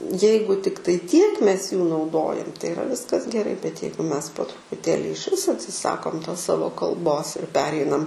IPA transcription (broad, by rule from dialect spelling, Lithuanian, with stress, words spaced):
ˈjɛɪɡʊ ˈtʲɪktɐɪ tʲiɛk ˈmʲɛs juː nɐʊˈdoːjɛm tɐɪ ɪˈrɐ ˈʋʲɪskɐs ɡʲɛˈrɐɪ bʲɛt ˈjɛɪɡʊ ˈmʲɛs poː trʊpʊˈtʲeːlʲɪ ɪʃʲˈʋʲɪs ɐtʲsʲɪˈsɑːkoːm toːs ˈsɑːʋoː kɐlˠˈboːs ɪr ˈpʲæːrʲɛɪnɐm